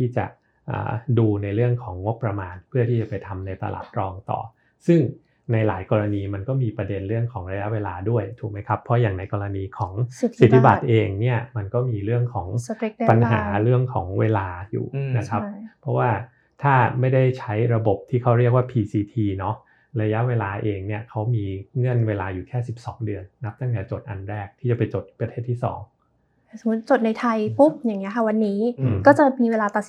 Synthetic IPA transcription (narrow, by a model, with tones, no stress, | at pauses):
t̪ʰiː˥˩t͡ɕa̰˨˩ | ʔə̰ː˨˩duː˧na˧jɾɯ˥˩əŋkʰɔː˩˦ŋːo˦˥pːɾa˧maː˧npʰɯ˥˩ət̪ʰiː˥˩t͡ɕa˨˩pa˧jt̪ʰa˧mna˧jt̪a̰˧la̰ː˨˩t̪̚ɾɔː˧ŋt̪ɔ̰ː˨˩ | sɯ˥˩ŋ | na˧jlaː˩˦jkɔː˧ɾa˧niː˧ma˧nkɔː˥˩miː˧pɾa˧de˧nɾɯ˥˩əŋkʰɔː˩˦ŋɾa˧ja˦˥ʔweː˧laː˧du˥˩əjt̪ʰuː˨˩k̚ma˦jkʰa˦˥pʰːɔ˦˥jaː˨˩ŋna˧jkɔː˧ɾa˧niː˧kʰɔː˩˦ŋ˩si˨˩t̪ʰːi˧ba˨˩t̪̚ʔeː˧ŋni˥˩ɐma˧nkɔː˥˩miː˧ɾɯ˥˩əŋkʰɔː˩˦ŋpa˧nɦa̰ː˩˦ɾɯ˥˩əŋkʰɔ̰ː˩˦ŋweː˧laː˧jṵː˨˩na˦˥t͡ɕkʰɾa˦˥ppʰːɾɔ˦˥waː˥˩ | t̪ʰaː˥˩ma˥˩jda˥˩jt͡ɕʰa˦˥jɾa˧bo˨˩p̚t̪ʰiː˥˩kʰa˦˥wɾi˥˩ək̚waː˥˩pʰiː˧siː˧t̪ʰiː˧nɔ˦˥ | ɾa˧ja˦˥ʔweː˧laː˧ʔeː˧ŋni˥˩ɐkʰa˦˥wmiː˧ŋɯ˥˩ənweː˧laː˧juː˨˩kʰɛː˥˩si˨˩p̚sɔː˩˦ŋdɯ˧ənːa˦˥p̚t̪a˥˩ŋt̪ɛː˨˩t͡ɕo˨˩t̪̚ʔa̰˧nɾɛː˥˩k̚t̪ʰiː˥˩t͡ɕa˨˩pa˧jt͡ɕo˨˩t̪̚pɾa˧t̪ʰeː˥˩t̪ʰːiː˥˩sɔ̰ː˩˦ŋʰ˥˩ | so˩˦mu˦˥t̪̚t͡ɕo˨˩t̪̚na˧jt̪ʰa˧jpu˦˥p̚jaː˨˩ŋːi˦˥ɐkʰa˥˩wa˧nːiː˦˥˧kɔː˥˩t͡ɕa˨˩miː˧weː˧laː˧t̪a˨˩s